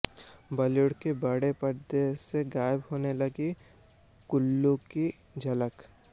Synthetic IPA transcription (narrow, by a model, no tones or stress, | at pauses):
bɐloɽkebɐɽepəɾd̪eseɡaːjəbɦoːnelɐɡi | kʊlːõki | d͡ʒʱɐlək